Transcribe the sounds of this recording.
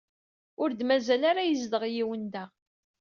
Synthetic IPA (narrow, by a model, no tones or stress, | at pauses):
ʊɾd̪mæzælaɾajəzd̪əʁjiwənd̪æ